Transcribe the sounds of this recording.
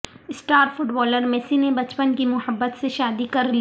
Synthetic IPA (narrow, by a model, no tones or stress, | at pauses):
ɪsʈaːɾfʊʈbɔːləɾmɛːsinebɐt͡ʃpənkimʊhəbːət̪seʃaːd̪ikɐɾli